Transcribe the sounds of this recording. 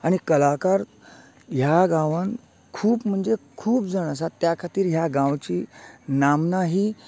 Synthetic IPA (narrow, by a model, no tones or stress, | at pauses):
aɽ̃ikəlakaɾ | ɦjaɡãʋan | kʰuːpm̤əɳd͡zekʰuːpd͡zəɽ̃as̬at̪ːjakʰat̪iːɾɦjaɡãwt͡ɕiːnamnaɦiː